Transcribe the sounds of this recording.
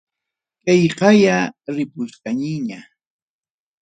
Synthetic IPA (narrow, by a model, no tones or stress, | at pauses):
kɑjqɑjaɾɪpʊskaɲɪɲa